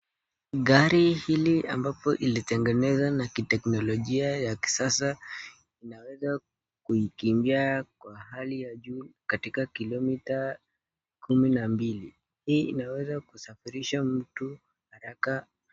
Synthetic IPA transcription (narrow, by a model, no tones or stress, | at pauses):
ɠaɾihilia̰mbapɔʔilitɛŋɡɛnɛzanakitɛknɔlɔʄiajaki̥sasa | inawɛza | kuikimbiakwaɦalijaʄukatikakilɔmita | kʰuminambili | hiːinawɛzakusafiɾiʃam̩tu | haɾaka